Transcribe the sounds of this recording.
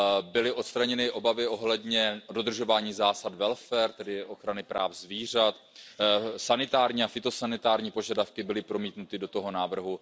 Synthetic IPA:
bɪlɪʔo̞t̪st̪ɾaɲɛnɪʔo̞bavɪʔo̞ɦlɛdɲɛdo̞d̪r̩ʒo̞vaːɲiːzaːsat̪vɛlfɛɾt̪ɛdɪʔo̞xɾanɪpɾʔa̰ːfzviːr̝at̪ | sanɪt̪aːɾɲiːafɪt̪o̞sanɪt̪aːɾɲiːpo̞ʒadafkɪbɪlɪpɾo̞miːt̪nut̪ɪdo̞t̪o̞ɦo̞naːvr̩ɦu

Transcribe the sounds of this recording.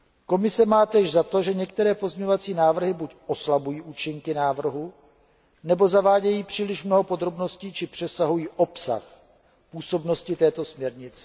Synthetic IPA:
ko̞mɪsɛmaːt̪ɛːʒzat̪o̞ʒɛɲɛk̚t̪ɛɾɛːpo̞zɲɛɲovat͡siːnaːvr̩ɦɪbucʔo̞slabujiːʔuːt͡ʃɪŋkɪnaːvr̩ɦu | nɛbo̞zavaːɟɛjiːpr̝̥iːlɪʃmno̞ɦo̞po̞d̪ɾo̞bno̞sciːt͡ʃɪpr̝̥ɛsaɦujiːʔo̞psa̰x | puːso̞bno̞scɪt̪ɛːt̪o̞smɲɛɾɲɪt͡sɛ̥

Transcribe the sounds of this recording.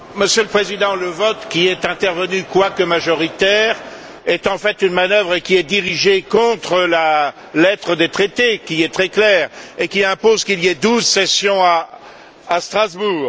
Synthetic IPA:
məsjøləpχezid̪ɑ̃ləvɔt̪kʲiɛt̪ɛ̃t̪ɛʁvənykwakəmaʒɔʁit̪ɛʁ | ɛt̪ɑ̃fɛt̪ynmanœvʁəkʲiɛd̪iʁiʒekɔ̃t̪χəla | lɛt̪χəd̪et̪χet̪ekʲiɛt̪χɛklɛːʁekʲiɛ̃pozkiliɛd̪uzsɛsjɔ̃aː | st̪χazbuːʁ

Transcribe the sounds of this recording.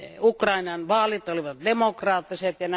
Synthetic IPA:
ukrɑinɑnʋɑːlit̪oliʋɑt̪d̪emokrɑːt̪ːiset̪jɑn

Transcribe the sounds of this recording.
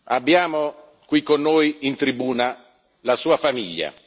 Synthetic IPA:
abːjaːmo | kwikːonːoːjint̪ɾibuːna | lasuːafamiʎːa̰

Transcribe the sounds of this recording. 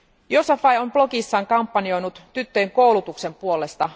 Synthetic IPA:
josɑfɑjo̞mplo̞kisːɑːŋkɑmpːɑnio̞jnut̪ːyt̪ːøjeŋko̞wlut̪ukse̞mpuolest̪ɑ

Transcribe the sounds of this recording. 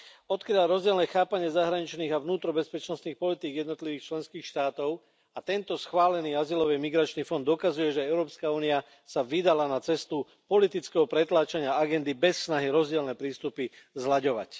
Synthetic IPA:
ɔt̪kɾiaɾɔzɟɪɛlnɛxaːpaɲɪɛzaɦɾaɲit͡ʃniːɣavnuːt̪ɾɔbɛspɛt͡ʃnɔst̪niːxpɔlit̪iːɡjɛd̪nɔt̪liʋiːxt͡ʃlɛnskiːxʃt̪aːt̪ɔʊ | at̪ɛnt̪ɔsxʋaːlɛniːazilɔʋimiɡɾat͡ʃniːfɔnd̪ɔkazujɛʒɛɛʊɾɔːpskauːnia | saʋid̪alanat͡sɛst̪u | pɔlit̪it͡skɛɦɔpɾɛt̪laːt͡ʃaɲɪaaɡɛnd̪ibɛsːnaɦiɾɔzɟɪɛlnɛpɾiːst̪upi | zlaɟɔʋa̰c

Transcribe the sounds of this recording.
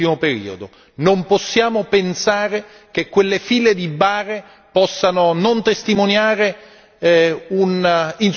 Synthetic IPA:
imopeɾḭːod̪o | nomposːjaːmopensaːɾe | k̟ekːwelːefiːled̪ibaːre | pɔsːanonont̪est̪imonjaːɾe | unin

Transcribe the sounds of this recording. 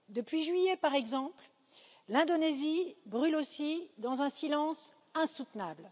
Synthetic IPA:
d̪əpɥiʒɥijɛpaʁɛɡzɑ̃pl | lɛ̃d̪ɔnezibʁylosid̪ɑ̃zɛ̃silɑ̃s | ɛ̃sut̪nabl

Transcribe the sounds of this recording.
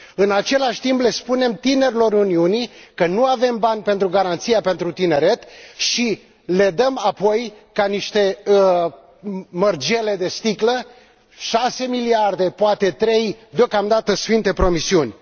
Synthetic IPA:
ɨnat͡ʃe̞laʃʲt̪imple̞spune̞mt̪ine̞ɾilo̞runiunikənuave̞mbanʲpe̞nt̪ɾuɡaɾant̪sijape̞nt̪ɾut̪ine̞ɾe̞t̪ʃi | le̞d̪əmapo̞j | kaniʃt̪e̞ | mərd͡ʒe̞le̞d̪e̞st̪iklə | ʃase̞miliard̪e̞poat̪e̞t̪ɾe̞jd̪eokamd̪at̪əsfint̪e̞pɾo̞misiunʲ

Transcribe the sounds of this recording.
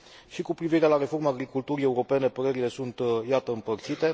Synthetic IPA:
ʃikupɾiviɾee̞laɾe̞fo̞ɾmaːɡɾikult̪uɾie̞uɾo̞pe̞ne̞pəɾe̞ɾile̞sunt̪jat̪əɨmpərt̪sit̪e̞

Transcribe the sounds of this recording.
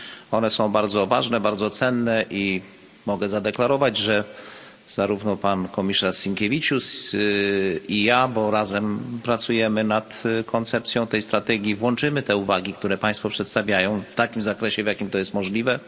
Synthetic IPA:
ɔnɛsɔ̃w̃baɾd̪zɔvaʐnɛbaɾd̪zɔt̪sɛnːɛʔi | mɔɡɛzad̪ɛklaɾɔvad͡ʑʐɛ | z̥aɾuvnɔpankɔmʲisaʂsiŋkʲevʲit͡ʂus | ijabɔɾazɛmpɾat̪sujɛmɘnat̪kʰɔnt̪sɛp̚t̪sʲjɔ̃w̃t̪ɛjst̪ɾat̪ɛɡʲivwɔnt͡ʂɘmɘt̪ɛuvaɡʲikt̪uɾɛpãj̃st̪fɔpʂɛt̪st̪avʲjajɔ̃w̃ft̪akʲimzakɾɛɕɛvjakʲimt̪ɔjɛst̪mɔʐlʲivɛ

